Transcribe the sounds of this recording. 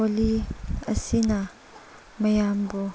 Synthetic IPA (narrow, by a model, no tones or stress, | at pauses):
oliɐsina | mɐjambɔ